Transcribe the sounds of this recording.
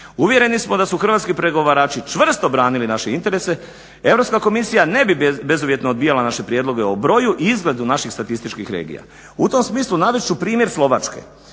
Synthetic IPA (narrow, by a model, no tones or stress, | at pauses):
uʋje̞ɾe̞nismo̞d̪asuxr̩ʋat̪kipɾe̞ɡo̞ʋaɾaːt͡ʃit͡ʃʋr̩st̪o̞bɾaːnilinaʃeint̪e̞ɾe̞se̞ | e̞ʋvɾo̞pskako̞misijane̞bibe̞zuʋje̞t̪noːd̪bijalanaʃe̞pɾjed̪lo̞ɡe̞obɾo̞juʔizɡle̞d̪unaʃixst̪at̪ist̪it͡ʃkixɾeːɡḭja̰ | ut̪o̞msmiːslˠunaʋet͡ʃupɾiːmje̞ɾslˠo̞ʋat͡ʃkḛ